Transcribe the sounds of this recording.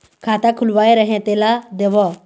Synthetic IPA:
kʰaːt̪akʰʊlʋaːeɾəɦẽt̪eːlad̪eːʋɔː

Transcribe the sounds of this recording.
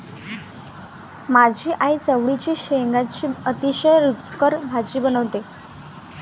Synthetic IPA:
mad͡ʑʱiːʔait͡səʋɽit͡ɕiːɕeŋɡat͡ɕiːət̪iɕəjɾut͡skəɾbʱad͡ʑiːbənəʋt̪e

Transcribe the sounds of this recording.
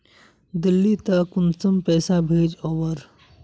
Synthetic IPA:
d̪ɪlːit̪ɐkʊnt͡səmpɛːsabʱeːd͡ʒɔːwəɾ

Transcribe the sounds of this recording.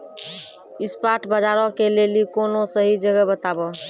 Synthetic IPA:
ispaʈbəd͡ʒaɾɔkelelikonosəɦid͡ʒəɡəbət̪abɔ

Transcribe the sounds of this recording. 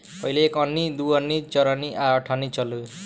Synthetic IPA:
pʌɦileekʌnːid̪uʌnːit͡sʌɾʌniʔaʌʈʰanit͡sʌlu

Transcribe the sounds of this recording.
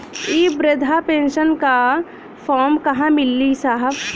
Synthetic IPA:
iːbɾəd̪ʱapeːnʃənka | pʰɔːɾmkɐɦãmɪlːisaːɦəb

